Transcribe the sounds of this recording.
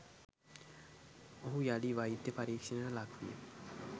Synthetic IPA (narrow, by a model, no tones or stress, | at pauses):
oɦũjaliʋaid̪jəpaɾiːkʂənəəlakʰʋḭjə̰